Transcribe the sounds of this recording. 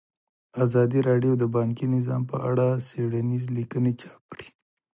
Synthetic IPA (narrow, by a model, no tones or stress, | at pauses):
azɑd̪iɾɑɖjod̪əbɑŋkinɪzɑmpə̰ʔa̰ɽaseɽanizlikənet͡ʃɑ̥p̚kɽi̥